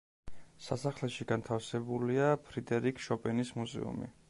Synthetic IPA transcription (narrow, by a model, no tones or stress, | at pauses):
sasaχlɛʃiɡant̪ʰafsɛbuliapʰɾid̪ɛɾikʰʃɔpʼɛnismuzɛ̰ṵmḭ